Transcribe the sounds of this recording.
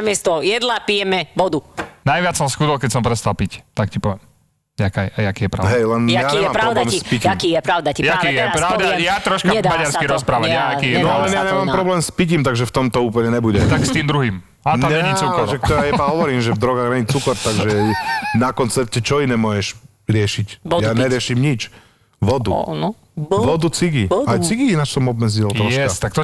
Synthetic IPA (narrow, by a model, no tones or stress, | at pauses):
amɪɛst̪ɔjɛd̪lapijɛmɛʋɔd̪unajʋɪat͡ssɔmsxud̪ɔlkɛcsɔmpɾɛst̪alˠpict̪akcipɔʋɛm | akajajakiːjɛpɾaɦɛjlɛnjaɲɛaːmpɾd̪amipicakijɛpɾaʊd̪aciakijɛpɾaʊd̪aɛjat̪ɾɔʃkamadaɾskiɾɔspɾaːʋajaakiːjɛnɔlɛnjaɲɛmaːmpɾɔblɛːmspiciːmt̪aɡʒɛft̪ɔmt̪ɔuːpl̩ɲɛɲɛbuɟɛt̪akst̪iːmd̪ɾuɦiːm | aɛɛɲit͡sukaʒɛkt̪ɔɾajɛbaɦɔʋɔɾiːmʒɛvd̪ɾɔɡaɣɾɛɲit͡sukɔɾt̪aɡʒɛnakɔnt͡sɛɾcɛt͡ʃɔinɛːmʊɔjɛʃ | ɾɪɛʃicjaɲɛɾɪɛʃimɲit͡ʃ | ʋɔd̪un | ʋɔd̪ut͡siɡiajt͡siɡiinat͡ʃsɔmɔb̚mɛd͡zilɾɔʃkɛast̪ak̚t̪ɔ